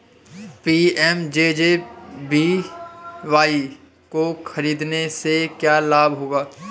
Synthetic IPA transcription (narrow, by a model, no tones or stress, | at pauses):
piːɛmd͡ʒeːd͡ʒeːbi | ʋaːi | koxʰɐɾiːd̪nesekjaːlaːbʱɦoːɡaː